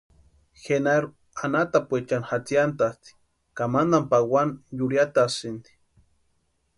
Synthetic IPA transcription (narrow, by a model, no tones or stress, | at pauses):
xenaɾu | anat̪apwet͡ʃanxat͡siant̪ast̪i̥ | kamand̪ampawanjuɾjat̪asind̪i̥